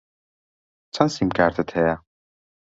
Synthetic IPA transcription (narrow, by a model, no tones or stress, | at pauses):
t͡sʰɐnsimkʰaːɾt̪ʰɐt̪ʰheja